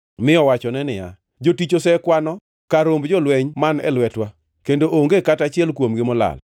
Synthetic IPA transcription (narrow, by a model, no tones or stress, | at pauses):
mɪɔwat͡ʃɔnɛnɪja̰ | d͡ʒotit͡ʃosɛkwanɔ | kaɾombd͡ʒɔlwɛɲmanɛ̰lwɛtwa | kendoʔoŋɡekatat͡ʃɪɛlkwomɡɪmɔla̰l